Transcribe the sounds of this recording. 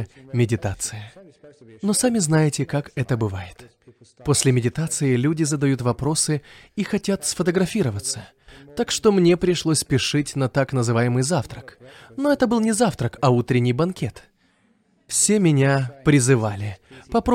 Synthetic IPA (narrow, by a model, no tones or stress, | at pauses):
mʲɪdʲɪt̪at̪sɨə | no̞samʲɪznajɪtʲɪkakɛt̪əbɨvajɪt̪ | po̞sʲlʲɪmʲɪdʲɪt̪at̪sɨɪlʲudʲɪzəd̪ɐjut̪vɐpɾo̞sɨixɐtʲat̪sfət̪əɡɾɐfʲiɾəvət̪sə | t̪akʂt̪o̞mnʲe̞pɾʲɪʂlˠo̞sʲpʲɪʂɨtʲnət̪aknəzɨvajɪmɨjzaft̪ɾəknoɛt̪əbɨlˠnʲɪzaft̪ɾəkɐut̪ɾʲɪnʲːɪjbɐnkʲet̪ | fsʲe̞mʲɪnʲapɾʲɪzɨvalʲɪpɐpɾo